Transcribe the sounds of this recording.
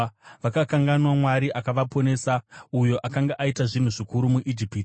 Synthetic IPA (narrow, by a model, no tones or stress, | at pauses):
ʋakakaŋɡanwamwaɾiʔakaʋapo̞ne̞ːsaujo̞ʔakaŋɡaʔaitaʐin̤uʐikuɾumuʔid͡ʒipiːt